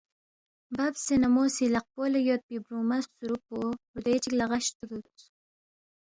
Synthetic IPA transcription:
babsenamosilaq̚polajot̪̚pibɾumassuɾupoud̪et͡ʃiklaʁaʃt̪ud̪ut͡s

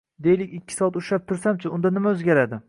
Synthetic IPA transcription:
d̪e̞jlɪkʲɪkʲːɪ̥sɒat̪ʊʃap̚t̪ʰʊɾsamt͡ʃʰɪʊnd̪anɪmaɵzɡʲaɾad̪ɪ

